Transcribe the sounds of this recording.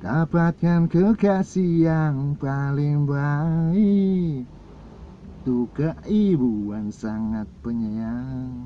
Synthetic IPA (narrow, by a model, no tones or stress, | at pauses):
d̥̪abat̪̚kankəkaʔsiaŋpalɪŋbai | t̪ukaʔibuansaŋat̪̚pəɲəaŋ